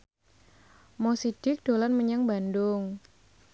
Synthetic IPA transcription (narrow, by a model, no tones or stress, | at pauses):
mɔsid̥ɪk̚d̥olanməɲaŋbandʊŋ